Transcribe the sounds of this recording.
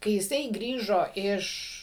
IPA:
kɐɪ jɪˈsɐɪ ˈɡrʲiːʒoː ˈɪʃ

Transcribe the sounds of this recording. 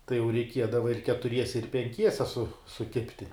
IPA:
tɐɪ jɛʊ rʲɛɪˈkʲiɛdɐʋɐ ɪr kʲɛtʊˈrʲiɛsʲɛ ɪr pʲɛŋʲˈkʲiɛsʲɛ sʊ sʊˈkʲɪpʲtʲɪ

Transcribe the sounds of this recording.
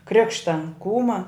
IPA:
ˈkrʲɪkʃtɐ ˈkuːmɐ

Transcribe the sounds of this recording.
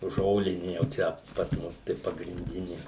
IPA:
ˈʒoːlʲɪnʲɪ jɛʊ ˈt͡ʃʲɛ pɐs ˈmʊs tɐɪ pɐɡrʲɪnʲˈdʲɪnʲɪ

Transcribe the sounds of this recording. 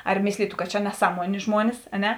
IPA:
ɐr ˈmʲeːsʲlʲiːtʊ kɐt t͡ʃʲɛ nʲɛˈsɑːˌmuɔnʲeː ˈʒmuɔnʲɪs ɐ ˈnʲɛ

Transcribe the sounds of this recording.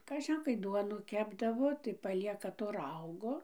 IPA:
kɐˈʒʲɪn kɐɪ ˈduɔnuː ˈkʲæːbdɐʋoː tɐɪ pɐˈlʲiɛkɐ toː ˈrɐʊɡoː

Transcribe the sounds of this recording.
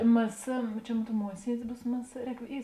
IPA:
mɘ sɘ t͡ʃʲɛ moːn ˈruɔt ˈmuɔsʲiɛdʲɪs ˈbuːs mɘ sɘ ˈrʲɛːk ˈiː

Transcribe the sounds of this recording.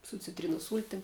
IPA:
sʊ t͡sʲɪtʲˈrʲiːnoːs ˈsuːlʲtʲɪm

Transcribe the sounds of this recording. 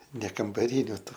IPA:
nʲɛ kɐmbɐˈrʲɪnʲʊ ˈtuː

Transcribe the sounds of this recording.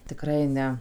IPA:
tʲɪˈkrɐɪ ˈnʲɛ

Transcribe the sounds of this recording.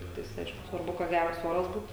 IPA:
ˈtʲɪktɐɪs ˈɐɪʃkʊ sʋɐrˈbʊ kɐt ˈɡʲærɐs ˈoːrɐs ˈbuːt

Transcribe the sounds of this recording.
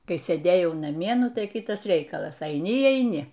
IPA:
ˈkɐɪ sʲeːˈdʲeːjɛʊ nɐˈmʲiɛ ˈnʊ ˈtɐɪ ˈkʲɪtɐs ˈrʲɛɪkɐlˠɐs ɐɪˈnʲɪ iː ɐɪˈnʲɪ

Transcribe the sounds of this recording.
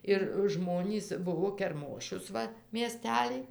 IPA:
ɪr ˈʒmoːnʲiːs ˈbʊʋoː kʲɛrˈmoːʃʲʊs ˈʋɐ mʲiɛˈsʲtʲæːlʲɪj

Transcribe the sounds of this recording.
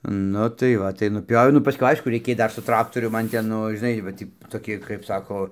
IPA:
ˈnʊ tɐɪ ˈʋɐ tɐɪ nʊˈpʲoːʋʲɛʊ nʊ pɐˈskʊɪ ˈɐɪʃkʊ rʲɛɪˈkʲeːj ˈdɐr sʊ ˈtrɑːktoːrʲʊm ˈmɐn ˈtʲɛn ˈnʊ ʒʲɪˈnɐɪ ʋɐ ˈtʲiː toːˈkʲɪ kɐɪp ˈsɑːkoː

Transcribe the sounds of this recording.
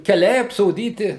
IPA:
kʲɛˈlʲɛɪ ɐpsoːˈdʲiːtʲɪ

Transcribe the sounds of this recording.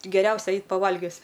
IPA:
ɡʲɛˈrʲɛʊsʲɛ ˈɛɪt pɐˈʋɐlʲɡʲʊs

